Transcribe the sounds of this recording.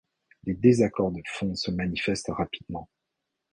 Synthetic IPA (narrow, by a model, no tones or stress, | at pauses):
led̪ezakɔʁd̪əfɔ̃səmanifɛst̪ʁapi̥d̪mɑ̃